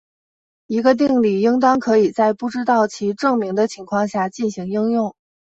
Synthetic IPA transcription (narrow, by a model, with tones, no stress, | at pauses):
i˧˥ɡə˧t̪̬i˥˧ŋli˥˩i˥ŋt̪ɑ˥ŋkʰɤ˧˥i˨˩t͡sa˥˧ɪpu˥˩ʈ͡ʂɻ̩˥t̪ɑ˥˩ʊt͡ɕʰi˧˥ʈ͡ʂɤ˥˩ŋmi˧˥ŋd̪ə˧t͡ɕʰi˧˥ŋkʰwɑ˥˧ŋɕja˥˩t͡ɕi˥˩nɕi˧˥ŋi˥ŋjʊ˥˩ŋ